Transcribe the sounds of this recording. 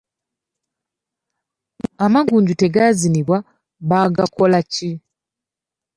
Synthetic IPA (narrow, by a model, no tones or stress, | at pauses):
amaɡuːɲɟute̞ɡaziniβwa | βaɡako̞laci